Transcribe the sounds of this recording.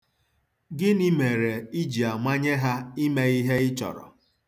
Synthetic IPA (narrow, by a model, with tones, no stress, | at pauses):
ɡɪ˦ni˦me˨ɾe˨i˦d͡ʒi˨a˨ŋʷa˦ɲe˦ɦa˦i˦me˦i˦ɦe˦ɪ˦t͡ʃɔ̰˨ɾɔ̰˨